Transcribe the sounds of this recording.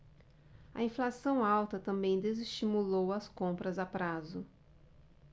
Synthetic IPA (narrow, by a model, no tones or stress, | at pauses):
ɐ̰ĩflasɐ̃w̃awt̪ɐt̪ɐ̃mbẽj̃d̪ezist͡ʃimulowɐskõmpɾɐzapɾazʊ